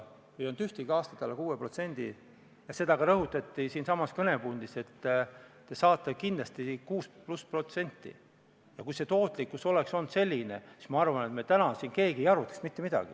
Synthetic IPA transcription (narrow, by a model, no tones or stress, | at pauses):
vujo̞nd̪yht̪iɡɑːst̪ɑ̥t̪ːɑlːekuːepro̞t̪se̞nʲd̪̥i | jɑse̞d̪ɑɡɑɾɤɦut̪ːˑɑt̪ːˑisiːnsɑmɑskɤne̞punʲd̪̥ise̞t̪ː | esɑːt̪ːˑekind̪lɑst̪ikuːspluspro̞t̪se̞nʲt̪ːˑḭ | jɑkujse̞t̪o̞ːt̪ˑlikːuso̞le̞kso̞nd̪̥se̞lʲːine̞̰si̥smɑɑrvɑne̞t̪me̞t̪ænɑsiːnke̞ːɡ̥iejɑrut̪ːˑɑ̥ksmit̪ːe̞mid̪̥ɑ̰ɡ̥ḭ